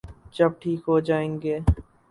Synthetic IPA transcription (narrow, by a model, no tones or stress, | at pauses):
d͡ʒɐb̚ʈʰiːkɦoːd͡ʒaːeŋɡeː